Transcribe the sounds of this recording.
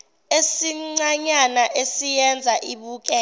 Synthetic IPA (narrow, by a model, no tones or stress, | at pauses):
esiŋ͡ǀaɲanaʔesijɛnd͡zʱaʔiɓuːk̬ʼɛ